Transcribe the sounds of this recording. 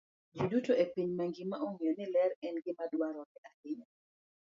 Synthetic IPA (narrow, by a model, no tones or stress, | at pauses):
d͡ʒudutoepiɲmaŋɡɪmaʔoŋionɪlɛɾɛnɡɪmadwaɾɔnɪʔadɪɲa